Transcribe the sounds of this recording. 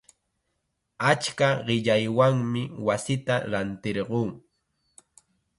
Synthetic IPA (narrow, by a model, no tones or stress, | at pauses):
at͡ʃkaɢɪʎajwaŋmɪwasɪt̪aɾant̪ɪɾɢuː